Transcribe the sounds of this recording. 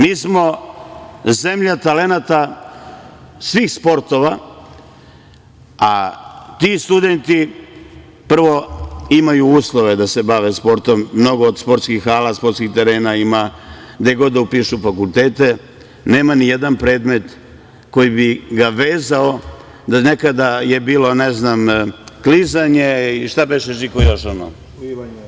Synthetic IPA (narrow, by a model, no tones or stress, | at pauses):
miːsmo̞ | ze̞mʎat̪ale̞nat̪a | sʋiːxspo̞ɾt̪o̞ʋa | at̪ist̪ud̪e̞nt̪i | pr̩ʋo̞imajuuːslˠoʋe̞d̪ase̞baʋe̞spo̞ɾt̪o̞mːno̞ɡo̞ːd̪spo̞ɾt̪skixːaːlaspo̞t̪skixt̪e̞ɾe̞ːnaima | d̪ajɡo̞d̪d̪aupiʃufakulˠt̪eːt̪e̞ | ne̞ːmanijed̪anpɾeːd̪me̞t̪ | ko̞jibiɡaʋeːzao | d̪anekad̪ajebiːlo̞neznamklizaɲeiʃt̪abeʃeʒikojoʃono̰